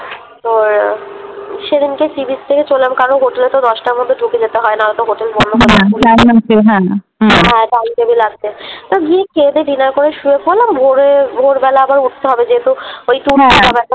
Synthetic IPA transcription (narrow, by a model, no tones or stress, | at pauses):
t̪oɾ | ʃeɾinkesibist̪ʰeket͡ɕollamkaɾonɦoʈelet̪od̪ɔʃʈaɾmod̪ʱːeɖʱuked͡ʑet̪eɦɔenaɾat̪oɦoʈelbɔnd̪oouamnat͡ɕeɦɛ̃ | ɦɛ̃ʈankebilaɡt̪et̪oɡiekʰed̪eɖinaɾkoɾeʃuefolambʱoɾebʱoɾbɛlaːbaɾuʈ̚ʰt̪eɦɔbed͡ʑeɦet̪uojʈuɾaabɛʈʰa